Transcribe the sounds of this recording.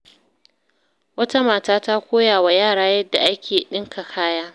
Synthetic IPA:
wɐ˦ta˦maː˨taː˦ta˦kʷoː˦jaː˨wa˨jaː˦˨ɽaː˦jɐ˦dːa˨ʔa˦kʲʰeː˨ɗɪ˦ŋkʰa˨kʰaː˦jaː˦

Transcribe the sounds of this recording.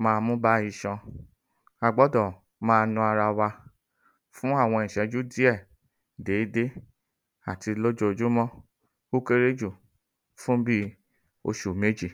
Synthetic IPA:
mãː˧mũ˦ba˦i˧ʃɔ̃˧ | a˧ɡ͡bɔ˦dɔ˨ | mãː˧nũ˧a˧ɾa˧wa˧ | fũ˦a˦˨w̃ɔ̃˧ĩ˨ʃɛ˨˦d͡ʒu˦di˦ɛ˦˨ | de˨˦de˦ | a˨ti˧lo˦d͡ʒo˧˨d͡ʒu˦mɔ̃˦ | o˦ke˦ɾe˦d͡ʒu˦˨ | fũ˦bi˦ | o̰˧ʃu˨me˨˦d͡ʒi˦˨

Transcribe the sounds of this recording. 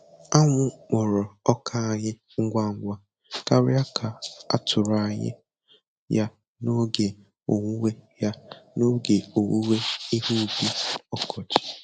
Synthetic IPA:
a˦ŋʷʊ˦k͡pɔ˨ɾɔ˨ɔ˦kʰa˦a˨ɲɪ˦ | ŋ̩˦ɡʷa˦ŋ̩˦ɡʷa˦ | ka˦ɾɪ˦a˦kʰa˨a̰˦tʰʊ˨ɾa˨ɲɪ̰˦ | ja˦ | no˦ɡe˨ | o˨ŋʷu˦we˦ja˦no˦ɡe˨o˨wu˦we˦i˦ɦu˦bi˦ɔ˦kʰɔ˨t͡ʃi̥˨

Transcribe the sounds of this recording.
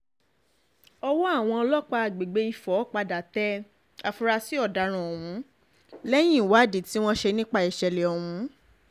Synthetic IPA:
ɔ˧wɔ˦a˦˨w̃ɔ̃˧ɔ˧lɔ˦k͡pa˧a˨ɡ͡be˨ɡ͡be˧˦i˧˨fɔ˨˦˨k͡pa˧da˨tɛ˦ | a˧fu˧ɾa˧si˦ɔ˦˨da˨˦ɾ̃ã˨ɔ˨wũ˨˦ | lɛ˦j̃ĩ˦˨wa˨˦˨di˨ti˦w̃ɔ̃˦ʃe˧nĩ˦k͡pa˧i˨ʃɛ˨lɛ˨ɔ˨hũ˨˦

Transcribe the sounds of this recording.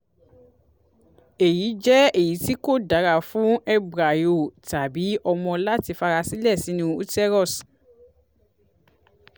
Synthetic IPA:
e˨ji˨˦d͡ʒɛ˦e˦˨ji˨˦ti˦ko˦˨da˨˦ɾa˨fũ˨˦ɛ˦bɾa˨jo˨ta˨bi˨˦ɔ˧mɔ̃˧la˦ti˧fa˧ɾa˧si˦lɛ˦˨si˨˦nũ˦u˦tɛ˦ɾɔ˦˨s

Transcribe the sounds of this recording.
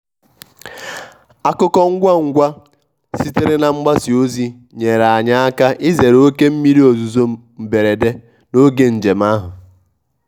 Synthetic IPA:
a˨kʊ˦kɔ˦ŋ̩˦ɡʷa˦ŋ̩˦ɡʷa˦ | si˦te˦ɾe˦na˨ŋ͡m̩˦ɡ͡ba˦si˨o˦zi˦ | ɲe˨ɾa˨ɲa˦a˦ka˦ʔɪ˦ze˨ɾo˦ke˦m̩˦mi˦ɾi˦o˨zu˨zo˦ | m̩˨be˨ɾe˨de˦ | no˦ɡe˨n̩˨d͡ʒe˨m˦a˦ɦʊ˨

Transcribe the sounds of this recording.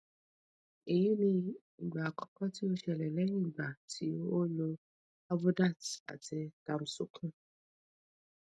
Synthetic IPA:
e˨ji˦ni˧ | i˨ɡ͡ba˨kɔ̥˦kɔ˦ti˦o˦ʃɛ˨lɛ˨lɛ˦i˦˨ɡ͡ba˨tʰi˦o˦lo˧ | a˦bʊ˦da˦˨ta̰˨tɪ˧ta˨m̩˦su˦kʰũ˦

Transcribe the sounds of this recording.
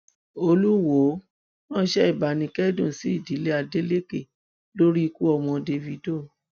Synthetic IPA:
o˧lu˦wo˨˦ | nã˦˨˦ʃɛ˦i˦˨ba˨nĩ˧kɛ˦dũ˦˨si˨˦i˦˨di˨˦le˦a˧de˦le˦ke˦˨ | lo˦ɾi˦i˧ku˦ɔ˧mɔ̃˧de˧vi˨˦do˦˨

